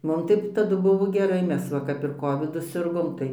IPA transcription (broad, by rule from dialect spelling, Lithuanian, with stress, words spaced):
ˈmʊm tɐɪ tɐˈdʊ ˈbʊʋoː ɡʲɛˈrɐɪ ˈmʲɛs ˈʋɐ kɐp ɪr ˈkoːʋʲɪdʊ ˈsʲɪrɡoːm ˈtɐɪ